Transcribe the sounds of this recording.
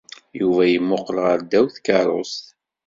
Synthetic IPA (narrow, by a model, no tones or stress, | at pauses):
juvæjimːʊqːlʁəɾd̪æwθkəɾˤo̰st̪